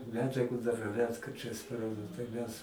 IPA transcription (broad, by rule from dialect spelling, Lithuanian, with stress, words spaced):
ˈmʲæːd͡ʒʲɛɡʊ dɐr ˈrʲæːtkɐrʲt͡ʃʲɛɪs tɐɪ ˈmʲɛs